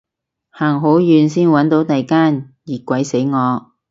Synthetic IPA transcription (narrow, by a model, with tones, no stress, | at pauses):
haː˨˩ŋɦo˨˥wjyː˨˧nsiː˥nwɐ˨˥nt̪o˨˥wt̪ɐ˨jkaː˥njiː˨˩kʷɐ˨˥jse˨˥jŋɔː˨˧